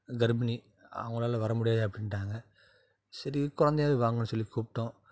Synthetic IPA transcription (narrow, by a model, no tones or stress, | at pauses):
ɡɐɾbɐni | ɐ̰ʋɐŋɡɐɭaːlɐʋɐɾɐmʊɽɪjaːðɯɐpːɐɽɪnʈːaːŋɡɐ | sɐɾikʊɾɐnd̪ɐjaːʋiʋaːŋɡɐnːɯsɔlːikuːpʈːõ